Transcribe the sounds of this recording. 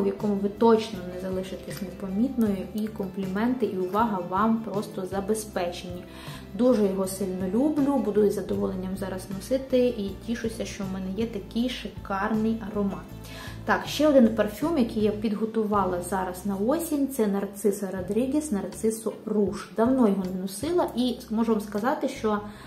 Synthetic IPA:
ʋjɐkɔmʊʋɪt̪ɔt͡ʃnɔnɛzɐlˠɪʃɪt̪ɛsʲnepɐmʲit̪nɔjʊikɔmplʲimɛnt̪ɪʔiʊʋɑɦɐʋɑmpɾɔst̪ɔzɐbespɛt͡ʃenʲːi | d̪uʒɛjɔɦɔsɪlʲnɔlʲublʲubʊd̪ujʊzɐd̪ɔʋɔlˠenʲːɐmzɑɾɐznɔsɪt̪ɪʔitʲiʃʊsʲɐʃt͡ʃɔmɛnɛjɛt̪ɐkɪjʃɪkɑrnɪjɐɾɔmɑn | t̪ɑkʃt͡ʃɛɔd̪ɪnpɐrfʲumjɐkɪjːapʲid̪ɦɔt̪ʊʋɑlˠɐzɑɾɐsnɐɔsʲinʲt̪sɛnɐrt̪sɪsɐɾɐd̪ɾʲiɡʲisnɐrt̪sɪsʊruʃd̪ɐwnɔjɔɦɔnnɔsɪlˠɐʔimɔʒʊʋɑmskɐzɑt̪ɪʃt͡ʃɔ

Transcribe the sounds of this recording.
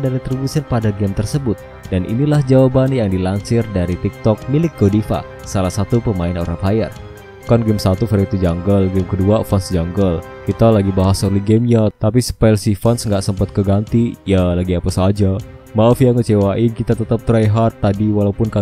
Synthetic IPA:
daɾit̪ɾibusianpadaɡɛmt̪ərsəbʊt̪̚ | danʔḭnilahd͡ʒawabanjaŋdilaɲt͡ʃɪrdaɾit̪ik̚t̪ɔk̚milɪk̚ɡodifa̰ | salahsat̪upəmaɪno̰ɾapɦajər | kanɡɛmsat̪ufɛɾt̪ud͡ʒaŋɡəlɡɛmkəduafɔnsd͡ʒaŋɡəl | kit̪alaɡibaɦasɔrliɡɛmɲat̪apispalsifansŋɡaʔsəmpat̪̚kəɡant̪ijalaɡiapasad͡ʒa | maɔfjaŋkət͡ʃewaʔɪnkit̪at̪ət̪ap̚t̪ɾajɦat̪ːadiwalaupʊnka

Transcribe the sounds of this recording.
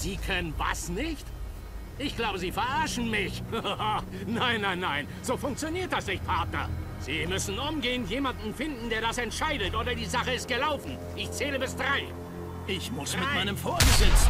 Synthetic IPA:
z̥iːkʰœnənva̰snɪçt | ʔɪçɡ̥laʊbəziːfɛɐʔaɐʃn̩mɪç | naɪnːaɪ̃nːaɪn | z̥oːfʊŋk̚t͡sjoniːɐt̚d̥asnɪçt̚pʰaɐtnɐ̰ | z̥iːmʏsn̩ʔʊmɡeːənjeːmandn̩fɪndn̩deːɐdasɛntʃaɪdətʔoːɾɐdiːzaχəɪst̚ɡ̥əlaʊfn̩ | ʔɪçt͡sɛːləbɪsd̥ʁaɪ | ʔɪçmʊsʁmɪamaɪnəmfoːɐbəzɪt͡s

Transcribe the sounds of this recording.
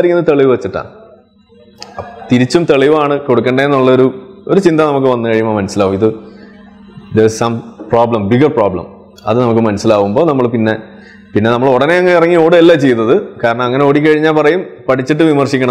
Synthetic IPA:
ɾikʲːunːɐɨt̪ɐɭiʋɨʋɐt͡ɕːiʈːa̰ːɳ | t̪iɾit͡ɕːumt̪eɭiʋaːɳɨko̞ɽuk̬ːeɳɖeenːuɭːɐoɾuoɾut͡ɕind̪ɐnɐmuk̬ːɨʋɐnːɨkɐɻijumaːmɐnɐsilaːʋumiðɨ | d̪essɐ̃mproːblɐmbiɡɐrproːblɐ̰m | ɐ̰ðɨnɐmuk̬ːɨmɐnɐsilaːʋumbo̞ːnɐmːɐɭpinːe̞ | pinːe̞nɐmːɐɭoɽɐne̞ɐŋːɐeirɐŋːio̞ːɽɨelːat͡ɕe̞junːɐðɨkaːɾɐɳɐmɐŋːɐneoːɽik̬ːɐɻiɲːaːlpɐrɐjumpɐʈʰit͡ɕːiʈ̬ːɨʋimɐrɕikʲːɐɳɐ

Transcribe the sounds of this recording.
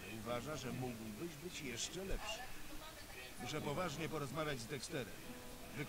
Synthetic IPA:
uvaʐaʐɛmuɡwbɘʑbɘt͡ɕjɛʂt͡ʂɛlɛpʂɘ̥ | muʂɛpɔvaʐɲɛpɔɾɔzmavʲjad͡ʑzd̪ɛkst̪ɛɾɛ̰m | vɘk

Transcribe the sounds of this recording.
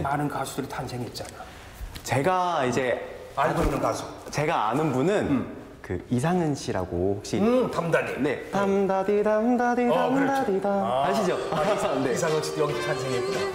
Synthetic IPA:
manɯnkasʰudɯɾitʰansʰe̞ŋiet̚t͡ɕ͈ana | t͡ɕe̞ɡaid͡ʑe̞ | aɡoinɯnkasʰo̥t͡ɕe̞ɡaanɯnbunɯn | kɯ̰isʰaŋɯnɕʰiɾa̰ɡohokɕ͈itamdaɾine̞tamdadidamdaɾiamdaɾidaaɕʰid͡ʑone̞is̬ʰaŋʌkɕ͈i̥jʌɡiitʰansʰeŋiet̚kuda

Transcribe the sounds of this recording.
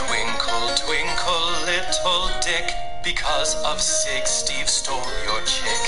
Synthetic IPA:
dwɪ̃ŋkʰəlˠtʰwɪ̃ŋkʰəlˠːɪtʰəlˠdɛk | b̥ɨkʰɔzəv̥sɪkstiv̥stɔmjɔt͡ʃʰɛk

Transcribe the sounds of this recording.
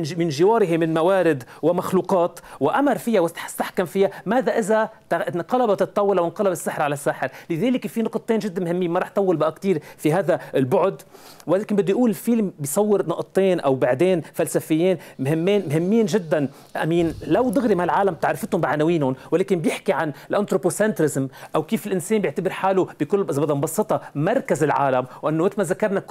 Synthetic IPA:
mɪnʒɪwɑːɾɪɦɪmɪnmawaːɾɪd̪wɪmaxluːqɑːt̪wɪʔamɑɾˤfɪjawɪst̪aħkamfɪjamaːðaʔɪzat̪nqɑlɑbɑt̪ɨt̪ˤːɑwːɑlawɪnqɑlɑbɪsːɪħɾʕalasːaːħɪɾlɪðeːlɪkfinʊqt̪ˤːeːnʒɪd̪ːanmhɪmːiːnmɑɾˤɑːħt̪ːˤɑwːɪlbaʔakt̪iːɾfiɦaːðaɪlbʊʕʊd̪ | wɪleːkɪnmbɪd̪ːujʔuːlɪlfiːlmbɪjsˤɑwːɪɾnɑʔt̪ˤːeːnʔawbaʕd̪eːnfalsafɪjːeːnmhɪmːeːnmɦɪmːiːnʒɪd̪ːan | ʔa̰miːnlawd̪ɪɣɾimahalʕaːlamb̚t̪aʕɾˤɪfɪt̪hʊmbɪʕanawiːnhʊnwɪleːkɪnbjɪħkiʕanlʔant̪ɾoposɛnt̪ɾɪzmʔawkiːfɪlʔɪnseːmbjɪʕt̪abɪɾħaːlub̥ɪkʊlːʔɪzabɑd̪ɑmbɑsˤːɨt̪ˤɑmɑɾˤkazɪlʕa̰ːlamwʔɪnːomɪt̪lmazakːɑɾˤnak

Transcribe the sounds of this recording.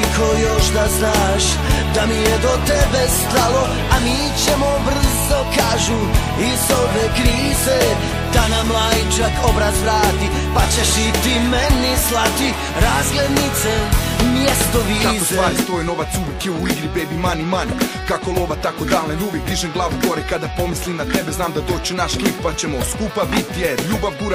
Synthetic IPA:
kʰojo̞ʃd̪aznaʃ | d̪amijed̪o̞t̪ebest̪alˠo̞ | amiːt͡ɕemobr̩zo̞kaːʒu | izoʋekɾiːze | d̪̥anamlˠajit͡ʃakobɾazvɾaːt̪i | pat͡ʃeʃit̪imenislˠat̪i | ɾaːzɡled̪nit̪semjest̪oʋikakost̪vaaːɾit̪ʋoːjno̞ʋat̪suʋjekjeuiɡɾibebimanimankakoloʋat̪akod̪aːlnenuʋjek̚d̪iʒemɡlˠaːʋuɡo̞ɾekad̪apo̞mislimnat̪ebeznaːmd̪ad̪oːt͡ʃenaʃklip̚pat͡ɕemoskupabit̪jeʎuːbaʋɡuɾa

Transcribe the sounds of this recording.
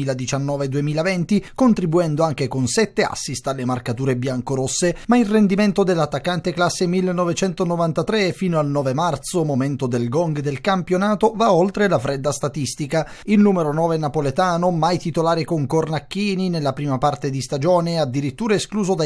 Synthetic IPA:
iːlad̪it͡ʃanːɔːved̪uemiːlavɛnt̪ikont̪ɾibuɛnd̪oaŋk̟ekonsɛt̪ːea̰sːist̪alːemarkat̪uːɾebjaŋkoɾosːemailrːend̪iment̪od̪elːat̪ːakːant̪eklasːemilːenːɔvet͡ʃɛnt̪onovant̪at̪ɾefiːnoalnɔːvemart̪somoment̪od̪elɡɔŋɡd̪elkampjonaːt̪ovaolt̪ɾelafɾɛd̪ːast̪at̪ist̪ikailnuːmeɾonɔːvenapolet̪aːnomajt̪it̪olaːɾikoŋkornakːiːninelːapɾiːmapart̪ed̪ist̪ad͡ʒɔːnead̪ːiɾit̪ːuːɾaeskluːzod̪a

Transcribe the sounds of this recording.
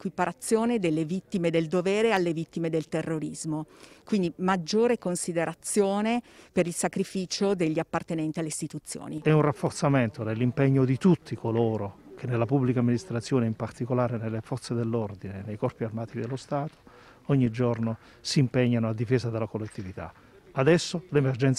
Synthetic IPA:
kwipaɾat̪sːjoːned̪elːevit̪ːimed̪eld̪ovɛːɾealːevit̪ːimed̪elt̪erːoɾizmokwind̪imad͡ʒːoːɾekonsid̪eɾat̪sːjoːnepeɾilsakɾifiːt͡ʃod̪eʎːiapːart̪enɛnt̪ialːeist̪it̪ut̪sːjo̰ːniɛunrafːort̪sament̪onelːimpeɲːod̪it̪ut̪ʰːikʰoloːɾok̟ʰenːelːapubːlikamːinist̪ɾat̪sːjoːneimpart̪ikolaːɾenelːefɔt̪sed̪elːɔrd̪inenːejkɔrpiarmaːt̪id̪elːost̪aːt̪ʰo̥ | ɔɲːid͡ʒɔrno | siːmpɛɲːanoad̪ːifeːzad̪elːakolːet̪ːivit̪a̰ | ad̪ɛsːolemerd͡ʒɛnt̪

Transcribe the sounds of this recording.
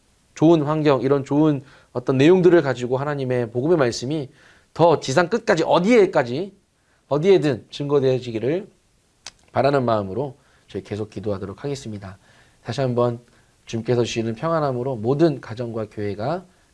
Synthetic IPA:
t͡ɕoɯnɸwaŋɡjʌŋiɾʌnt͡ɕoɯn | ʌt͈ʌnːe̞joŋdɯɾɯɭkad͡ʑiɡoɦanaɲime̞poɡɯme̞maɭs͈ɯmi | tʌt͡ɕisʰaŋk͈ɯt̚k͈ad͡ʑiʔʌdie̞k͈ad͡ʑi | ʌdie̞dɯnt͡ɕɯŋɡʌdwed͡ʑiɡiɾɯɭ | paɾanɯnmaɯmɯɾo | t͡ɕɯɭke̞sʰok͈idoɦadoɾokʰaɡe̞s͈ɯmɲida | taɕʰiɦambʌn | t͡ɕumk͈e̞sʰʌt͡ɕɥinɯnpʰjʌŋɦanɦamɯɾomodɯnkad͡ʑʌŋɡwakjoɦe̞ɡa

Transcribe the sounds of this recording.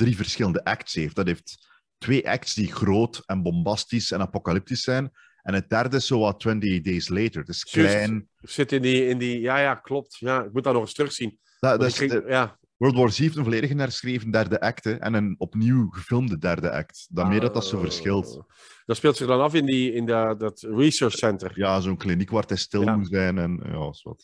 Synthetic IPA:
d̥rivərsxɪləndəʔɛktsheːft̚d̥ɑtɦeːftː | weːʔɛ̰k̚tsdiɣroːtɛnbɔmbɑstisɛnɑpokɑlɪp̚tisɛjn | ɛnət̚d̥ɛrdəɪsːoːwɑlˠtwɛntideːsleːtəɹtɪsklɛjn | z̥ɪtɪndiɪndijaːjaːklɔp̚tjaːɪk̚mut̚danɔχɪstrɵχsin | daɪsdəjaː | wɜːlˠdwɔɹsiːfdənvoːleːdəɣənɛrsxreːvəndɛrdəʔɛktəʔɛ̰nənɔpniwɣəfɪlˠmdədɛrdəʔɛ̰k̚tdameːrdɑtɑtsoːvərsxɪlˠt | d̥ɑtspeːlˠtsɪɣdɑnɑfɪndiɪndədətɹisəɹt͡ʃsɛntərjaːzoːnklinikʋaːrtɛstɪlˠmutzɛjnɛnja̰ːɑswɑ̰t

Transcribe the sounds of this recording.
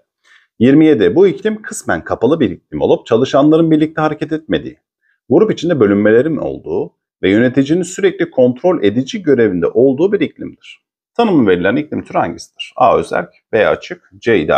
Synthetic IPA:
jiɾmije̞d̪ɛbuiclʲimkʰɯsmænkʰapʰalˠɯbiɾicʰlʲimo̞lˠɔp̚t͡ʃʰalˠɯʃanlˠaɾɯnbiɾlʲic̚t̪ʰɛhaɾecʰɛt̪ɛt̪̚me̞d̪ḭː | ɡuɾupit͡ʃʰind̪ɛbølʲymːe̞lʲe̞ɾino̞̰lˠd̪uː | vɛjø̞ne̞t̪ʰid͡ʒininsyɾɛclʲikʰo̞nt̪ɾo̞lʲe̞d̪id͡ʒiɟø̞ɾe̞vind̪ɛ̰ʔo̞lˠd̪uːbiɾicʰlʲimd̪iɾ̥ | t̪ʰanɯmve̞ɾilʲæɾniclʲimt̪ʰyɾha̰ɲɟisi̥d̪̥iɾ̥a̰ø̞̰zæ̰lʲcbea̰t͡ʃʰɯk̚d͡ʒejd̪a̰

